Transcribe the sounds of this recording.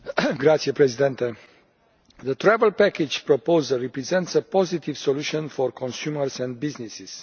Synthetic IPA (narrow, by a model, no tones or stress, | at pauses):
ɡɾat̪sjepɾɛzid̪ɛ̃nt̪e | ðət̪ɾɛvəlpɛkid͡ʒpɾopozəripɾizɛ̃nt̪səpɔzit̪ivsoluʃɔ̃nfɔɾkʰõnsjuməɾsɛ̃nd̪̚biznisiz̥